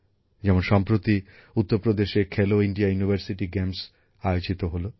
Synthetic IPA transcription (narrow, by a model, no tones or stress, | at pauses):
d͡ʑɛmonʃɔmpɾot̪i | ut̪ːoɾpɾod̪eʃekʰeloiɳɖiajunibʱaɾsiʈiɡɛms | ajot͡ɕit̪oɦolo